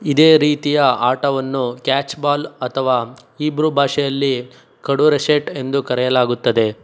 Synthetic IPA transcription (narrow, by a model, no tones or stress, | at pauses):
id̪eːɾiːt̪ijɐaːʈɐʋɐnːukaːt͡ʃbaːlɐt̪ʰɐʋaːiːbɾubʱaːʂɛjɐlːi | kɐɽuɾeseʈe̞nd̪ukɐɾɛjɐlaːɡut̪ːɐd̪e̞